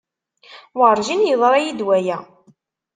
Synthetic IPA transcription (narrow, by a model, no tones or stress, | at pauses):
wɾˤʒinjəðˤɾˤɑjid̪wæjæ